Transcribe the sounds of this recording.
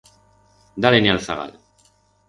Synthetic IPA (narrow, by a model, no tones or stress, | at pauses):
d̪alenialθaɣa̰l